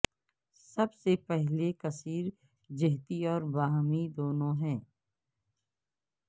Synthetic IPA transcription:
sɐbsepɛɦlekɐsiːɾ | d͡ʒɪɦt̪iɔːɾbaːɦmid̪oːnõɦɛ̃ː

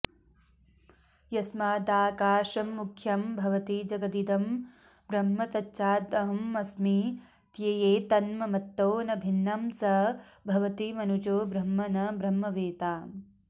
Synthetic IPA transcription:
jɐsmaːd̪aːkaːʃɐmːukʰjɐmbʱɐʋɐt̪id͡ʒɐɡɐd̪id̪ɐm | bɾɐmːɐt̪ɐtːʃaːd̪ɐɦɐmːɐsmi | t̪jɐjeːt̪ɐnmɐmɐt̪ːoːnɐbʱinːɐmsɐbʱɐʋɐt̪imɐnut͡ʃoːbɾɐmːɐnɐbɾɐmːɐʋeːt̪aːm

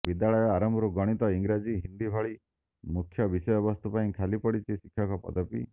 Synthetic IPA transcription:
bid̪aɭɔjɔaɾɔmbʱɔɾuɡɔɽ̃it̪ɔiŋɡɾad͡ʒiɦind̪ibʱɔɭi | mukʰjɔbisɔjɔbɔst̪upaĩkʰalipɔɽit͡ʃʰisikʰːjɔkɔpɔ̰t̪ɔpḭ

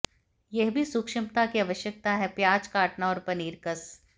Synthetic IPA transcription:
jɛɦbʱisʊkʃɪmt̪akiɐʋəʃjək̚t̪aɦɛpjaːd͡ʒkaːʈnaɔːɾpɐniːɾkəs

